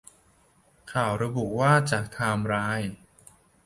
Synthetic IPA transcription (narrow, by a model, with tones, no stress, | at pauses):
kʰaː˨˩wɾa˧bu˨˩ʔwaː˥˩t͡ɕaː˨˩k̚t̪ʰaː˧mɾaː˦˥j